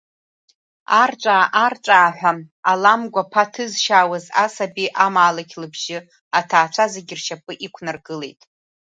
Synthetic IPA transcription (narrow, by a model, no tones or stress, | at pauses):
arʈ͡ʂʷʼaːʔarʈ͡ʂʷʼaːħʷᶣaalamɡʷapʰatʰɨzʃaːwazasabiʔamaːlakʲʰlɨbʒɪ | atʰaːt͡ʃʷʰazeɡʲɪrʃapʼɨʔikʷʰnarɡɨle̞̰jtʼ